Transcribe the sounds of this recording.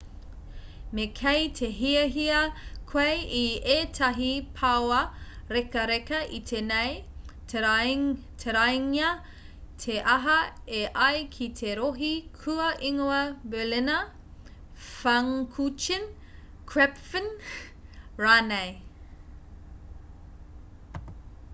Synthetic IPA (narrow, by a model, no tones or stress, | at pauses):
mekʰejtʰeɦiɐɦiɐkʰwejietʰɐɦipʰawɐɾekɐɾekɐʔit̪ʰenejt | tʰeɾajŋiɐ | tʰeʔɐɦɐeʔɐjkʰitʰeɾoɦikʰuɐʔiŋoɐbɛlinɐ | fɐŋkʰut͡ʃin | kʰɾɛpfən | ɹaːnej